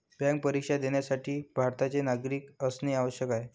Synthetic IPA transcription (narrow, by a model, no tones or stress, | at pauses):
bjãŋk̚pəɾikʂad̪eɳjasaʈʰiːbʱaɾt̪at͡senaɡɾiːkəsneaʋəɕjəkaɦe